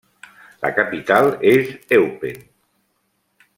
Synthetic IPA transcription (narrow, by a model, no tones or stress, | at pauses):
la̰kapit̪alˠezɛwpen